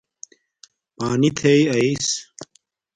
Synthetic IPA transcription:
paːnit̪ʰejɐis

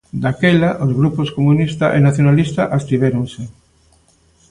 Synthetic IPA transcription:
d̪akelaʔozɣɾuposkomunist̪aʔenaθjonalist̪aʔast̪iβ̞eɾoŋse

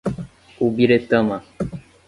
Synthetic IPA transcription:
ubiɾet̪ə̃mã

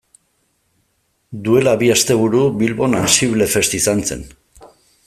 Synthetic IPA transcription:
d̪ue̞laβiast̪e̞β̞uɾuβilβo̞nansiβle̞fe̞st̪isant͡se̞̰n

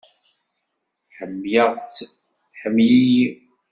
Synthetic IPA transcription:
ħəmːjəʁt͡sː | ħəmji

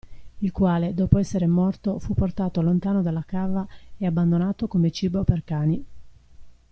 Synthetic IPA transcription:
ilkwaːled̪ɔːpoɛsːeɾemɔrt̪ofupːort̪aːt̪oalːont̪aːnod̪alːakaːvaeabːand̪onaːt̪okomet͡ʃiːboperkaːni

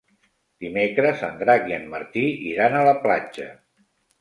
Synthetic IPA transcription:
d̪̥imekɾəzə̰nd̪ɾaɣiənməɾt̪iiɾanələplad͡ʒə

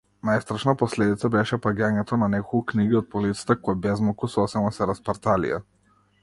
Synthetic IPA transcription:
najst̪ɾaʃnapɔslɛd̪it̪sabɛʃɛpaɡʲaɲɛt̪ɔnanɛkɔlˠkukniɡiɔt̪̚pɔlit̪sḁt̪akɔjbɛzmɔkusɔsɛnasɛɾaspaɾt̪alḭjɛ̰

